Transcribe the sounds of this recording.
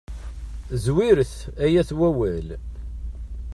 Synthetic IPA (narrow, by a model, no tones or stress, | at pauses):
zwiɾəθæjæθwæwæl